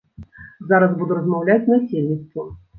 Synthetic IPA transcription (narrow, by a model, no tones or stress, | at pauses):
zaɾɐsbud̪uɾɐzmawlʲat͡sʲnɐsʲelʲnʲit̪st̪vu